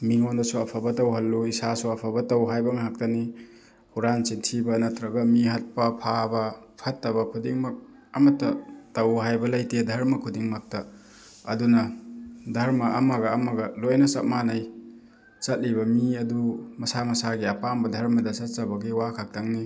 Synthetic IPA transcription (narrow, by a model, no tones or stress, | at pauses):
miŋondɐsuɐpʰabɐtɐwɦɐlːuisasuɐpʰabɐtɐwɦajbɐŋɦak̚tɐni | huɾant͡ʃintʰibɐnɐtɾɐɡɐmiɦɐt̚pɐpʰabɐpʰɐtːɐβɐkʰudiŋmɐk̚ | ɐmɐtːɐtɐwɦajbɐlɐjtedʱɐɾmɐkʰudiŋmɐk̚tɐ | ɐdunɐdʱɐɾmɐːmɐɡɐːmɐɡɐlojnɐsɐt̚manaj | t͡ʃɐt̚libɐmiɐdumɐsamɐsaɡiɐpambɐdʱɐɾmɐdɐsɐtsɐbɐɡiwakʰak̚taŋni